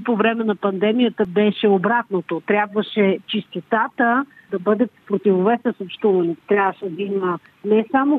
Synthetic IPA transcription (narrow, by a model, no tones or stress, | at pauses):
povɾɛmɛnɐpɐnd̪ɛmijət̪əbɛʃɛobɾat̪not̪ot̪ɾʲabvɐʃɛt͡ʃist̪ɛt̪at̪ə | d̪ɐbɤd̪ət̪pɾot̪ivovɛsɛsopʃt̪uvɐnit̪ɾʲjavvəʃɛd̪ɐimə | nɛsamo